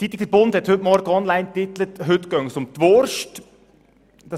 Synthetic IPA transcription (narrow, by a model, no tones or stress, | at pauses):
tit̪lɪkəɾbʊnd̪hɛt̪hɵtmɔɾɡəɔnlaɪnt̪ɪt̪lət̪ɦʏt̪ɡ̥œŋəsʊmt̪ʋoɾʃt | d̥ɑ